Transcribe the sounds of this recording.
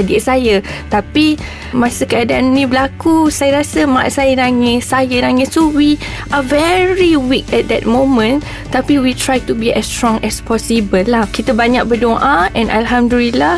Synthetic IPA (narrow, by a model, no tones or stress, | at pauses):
adiʔsajat̪api | mãsəkəadaanːĩbəlakusajəɾasəmaʔʔsajənaŋɛsajənãŋɪ̃sowi | ʔavɛɹiwik̚ɛt̪̚d̪ɛt̚mõmə̃n | t̪apiwit̪ɹajt̪ubiʔɛstɹɔ̃ŋɛspɔsibəlːahkit̪əbaɲak̚bədoʔaʔɛ̃nʔa̰lɦamdulila